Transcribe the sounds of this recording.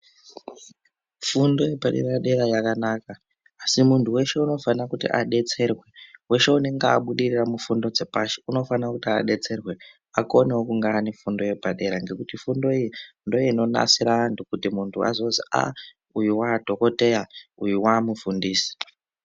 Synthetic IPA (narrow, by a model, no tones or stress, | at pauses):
fundo̞jepaɗe̞̰ɾaɗe̞ɾajakanaːkaː | simuntʰuwe̞ʃe̞uno̞fanakutḭʔa̰ɗe̞t͡se̞rwe̞we̞ʃe̞une̞ŋɡeaɓuɗiriramufundo̞d͡ze̞paʃi̥uno̞fanakutia̰ɗe̞t͡se̞rwe̞ | ako̞newokuŋɡaːnefundo̞je̞paɗe̞ɾaŋɡe̞kutifundo̞ijindo̞iino̞na̰siɾandokutimuntʰua̰zo̞zia̰ | ujiwadʱo̞ko̞te̞jaujiwamufundiːsi̥